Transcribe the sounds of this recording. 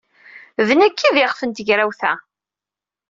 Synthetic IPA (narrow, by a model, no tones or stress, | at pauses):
ðənækʰːiðɪʁfənt̪əʝɾæwθæ̰